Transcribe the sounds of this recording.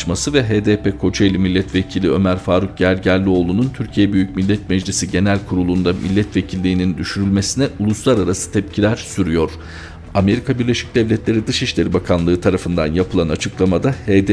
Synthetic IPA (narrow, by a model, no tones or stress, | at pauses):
masɯvɛɦeːd̪eːpekʰo̞t͡ʃʰailʲimilʲːɛt̪ve̞cʰilʲiø̞mæɾfaːɾuk̚ɟæɾɟæɾlʲːio̞ːlˠununt̪ʰyɾcʰijɛbyjycmilʲːɛt̪mɛd͡ʒlʲisiɟe̞nælʲkʰuɾulˠund̪amʔilʲːɛt̪ve̞cʰilʲːiːnind̪yʃyɾylʲme̞sinɛulˠuslˠaɾaɾasɯ̥t̪ʰɛpcʰilʲæɾsyɾyjo̞ɾ̥ | ame̞ɾikʰabiɾlʲe̞ʃi̥c̚d̪ɛvlʲɛt̪lʲe̞ɾid̪ɯʃiʃlʲe̞ɾibakʰanlˠɯːt̪ʰaɾafɯnd̪anjapʰɯlˠanat͡ʃʰɯklˠamad̪aheːd̪